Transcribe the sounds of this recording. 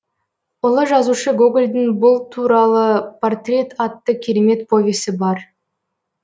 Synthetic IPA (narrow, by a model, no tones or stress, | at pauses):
ʊlˠəʒɑzuʃəɡuɡlʲd̪ɪŋbʊlˠt̪ʰuɾɑlˠəpʰo̞rt̪rʲe̞t̪ɑt̪ːəkʲʰe̞ɾe̞me̞t̪̚pʰo̞vʲesɪbɑɾ